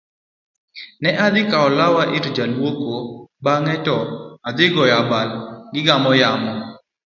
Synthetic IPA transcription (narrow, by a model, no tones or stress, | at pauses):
nɛʔad̪ɪkaɔlawaʔɪtd͡ʒalwokobaŋɛtɔad̪ɪɡɔjabalɡɪɡamɔjamɔ